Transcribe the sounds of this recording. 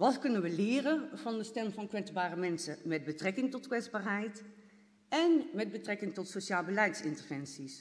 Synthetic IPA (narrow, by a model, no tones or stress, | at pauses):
ʋɑtkɵnənʋəlɪːrəvɑndəstɛmvɑnkʋɛzbaːrəmɛnsəmɛd̚bətrɛkɪŋtɔtkʋɛzbaːɹɦɛjt | ɛnmɛd̚bətrɛkɪŋtɔtsoʃaːlˠbəlɛjtsɪntəɹvɛnsis